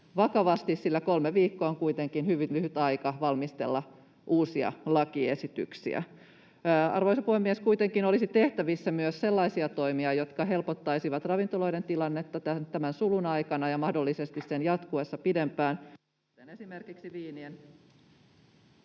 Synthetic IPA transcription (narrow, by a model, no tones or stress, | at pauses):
ʋɑkɑʋɑst̪issilːækolmeʋiːkːoːoŋkuit̪eŋkinhyʋylyhyt̪ɑikɑʋɑlmist̪ḛlːɑ | ʔuːsiɑ̰lɑkiesit̪y̰ksḭæ̰ː | ɑ̰rʋoijsɑpuhemːieskuit̪eŋkinolisit̪e̞ht̪æʋisːæmyøsse̞lːɑisiɑt̪oimiɑjo̞t̪kɑɦe̞lpot̪ːɑisiʋɑt̪rɑʋint̪olo̞ident̪ilɑnːet̪ːɑt̪ænt̪æmænsulunɑikɑnɑjɑmɑhdolːisest̪issenjɑt̪kuesːɑpidempæːn | kut̪enesimerkiksiʋiːnien